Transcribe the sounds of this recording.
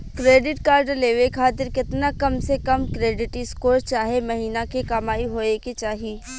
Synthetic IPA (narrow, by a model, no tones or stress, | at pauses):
kɾeːɖɪʈkaːɾɖəleːʋekʰaːt̪̬ɪɾkɪt̪nakɐmsekɐmkɾeːɖɪʈɪskoːɾt͡ʃaːɦemɐɦiːnakekamaːiɦoːeket͡ʃaːɦiː